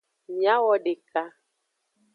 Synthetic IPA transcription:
mja˦wɔ˦ɖe˨ka˦

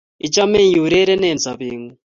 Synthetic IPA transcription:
i˨t͡ʃa˦mɛ˦ŋji˨u˨ɾɛ˦ɾɛ˦nɛ˨nd͡za˨βiː˦ŋu˦

